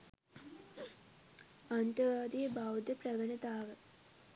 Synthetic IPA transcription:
ant̪əʋaːd̪ijəbawd̪əpɾɐʋənət̪aːʋə

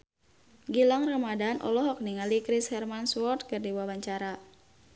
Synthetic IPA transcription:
ɡilaŋramadanʔɔ̰lɔɦɔk̚niŋalikɾishɛrmanswɔrt̪̚kɨrdiwawaɲt͡ʃaɾa

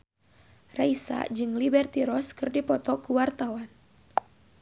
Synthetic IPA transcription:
raisa̰d͡ʒɨŋlibɛrt̪iɾɔskɨrdipɔt̪ɔkuwart̪awan

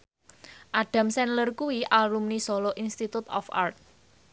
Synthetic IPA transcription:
ʔaɖ̥ä̤msɛnlərkuwiʔalumnisɔlɔʔinst̪it̪ut̪ɔ̰fa̰rt̪̚

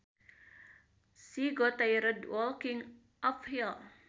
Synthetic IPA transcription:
siɡɔt̪ajɾədwɔlkɪŋ | ʔɔfhil

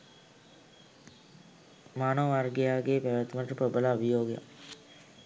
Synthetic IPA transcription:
maːnəʋʋaɾɡjaːɡepɛʋət̪ʋəʈəpəbəlaubijoːɡja̰

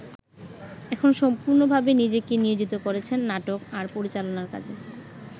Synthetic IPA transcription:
ɛkʰonʃɔmpuɾnobʱabenid͡ʑekenijod͡ʑit̪okoɾet͡ɕʰenːaʈokaɾpoɾit͡ɕalonaɾka̰t͡ɕʰe

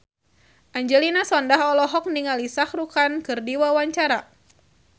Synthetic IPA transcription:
ʔaɲd͡ʒɛlinasɔndaɦɔlɔɦɔk̚niŋalisahɾukankɨrdiwawaɲt͡ʃaɾa

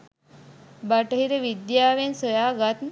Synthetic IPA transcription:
baʈəɦiɾəʋid̪jaːʋensəjaːɡat̪n

